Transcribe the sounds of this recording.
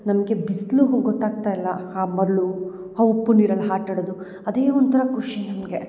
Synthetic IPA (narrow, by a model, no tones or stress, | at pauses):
nɐmɐɡe̞bisluɦɡɔt̪ːaːɡ̚t̪aːjilːɐaːmɐd̪ɭu | hɐupːuniːɾɐlːɦaːʈɐɽod̪u | ɐd̪e̞ːɔnt̪ɐɾɐkuʂinɐmɐɡe̞